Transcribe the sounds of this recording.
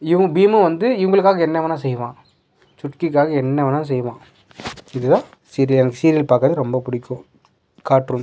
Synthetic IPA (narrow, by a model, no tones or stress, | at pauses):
ɪʋɐbiːmɯʋɐnd̪ɯɪʋɐŋɡɐɭɯkːaːɣɐɛnːɛʋɐːnãːsɛjːʋãː | sʊʈkɪk̬ːaːɣɐɛnːɛʋɐnãːs̬ɛjːʋãː | ɪðɯðãː | siːɾɪɐlɛnɐkːɯsiːɾɪlpaːɾkɐɾɐðɯɾɔmbɐpʊɽɪkːʊ̃ | kaːʈɾum